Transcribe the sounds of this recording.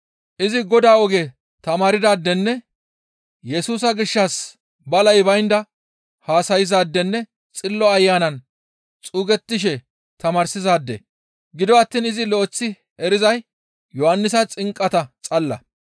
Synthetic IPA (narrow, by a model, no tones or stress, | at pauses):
ʔɪzɪɡɔd̪aːɔɡe | t̪ɐmaːɾɪd̪aːd̪ːɛnːɛ | jɛsuːsɐɡɪʃːɐs | bɐlɐjbɐjnd̪ɐ | haːsɐjɪzaːd̪ːɛnːɛ | t͡sʼɪlːɔɐjːaːnɐn | t͡sʼuːɡɛt̪ːɪʃ̬ɛ | t̪ɐmaːɾsɪzaːd̪ːɛ̰ | ɡɪd̪ɔɐt̪ːiːnɪzɪlɔːt͡sːɪ | ɛɾɪzɐj | jɔhɐnːɪs̬ɐt͡sʼɪŋkʼːɐt̪ɐt͡sʼɐlːɐ